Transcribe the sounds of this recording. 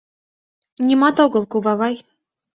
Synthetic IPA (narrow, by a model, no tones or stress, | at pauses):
nʲimɑt̪oɣɤ̆lˠkuβɑβɑj